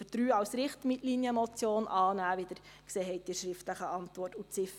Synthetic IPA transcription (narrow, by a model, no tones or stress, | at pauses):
ət̪ɾyːɑwsɾɪχtmɪtlinjəmɔt͡sjoːnʔɑːnæːʋɪd̪əɾ | kseːɦɛɪt̚dɪʃɾɪftləχəɑntʋɔrtut͡sɪf